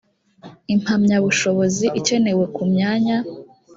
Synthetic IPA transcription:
im̥hamɲaβuʃo̞βo̞ziʔice̞ne̞we̞kumɲaːɲa

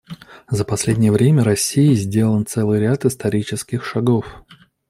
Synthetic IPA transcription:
zəpɐsʲlʲedʲnʲɪjəvɾʲemʲəɾɐsʲːiɪzʲdʲe̞lˠənt̪sɛlˠɨjɾʲat̪ɨst̪ɐɾʲit͡ɕɪskʲɪxʂɐɡof

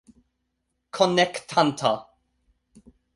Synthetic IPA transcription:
kʰɔnɛktʰant̪ʰa

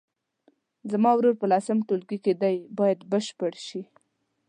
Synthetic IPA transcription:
zamɑwɾoɾpəlɑsɪmʈolɡiked̪ajbɑjad̪bəʃpəɽʃi

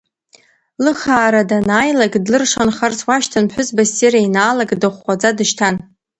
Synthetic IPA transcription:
lɨχaːɾadanaːjlaɡdlɨrʂanχart͡sʰwaʃtʰanħʷʊzbasirajnaːlaɡdɨχʷːad͡zadɨʃtʰan

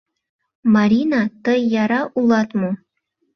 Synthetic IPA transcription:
mɑɾʲinɑt̪əjːɑɾɑʔulˠɑt̪mo

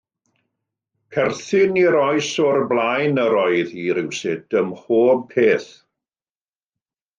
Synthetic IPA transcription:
kʰɛrθɪniɾɔjsɔrblˠajnəɾɔɨðiɾɪwsɪd̥əmhoːb̚pʰeːθ

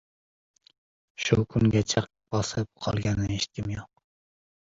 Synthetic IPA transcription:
ʃukʲʰyŋɡʲɛt͡ʃʰɛq̚ | b̥ɑsɨp̚qʰɑ̰lˠɡʲɛnːɨeʃi̥t̪̚kʲimjoq̚

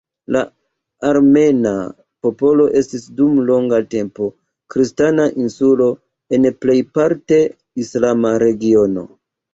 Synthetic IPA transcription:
la | aɾme̞na̰ | po̞po̞lo̞ʔe̞stisdumlo̞ŋɡate̞mpo̞ | kɾistanaʔinsulo̞ | enple̞jpaɾte̞ | islamaɾe̞ɡio̞no̞̰

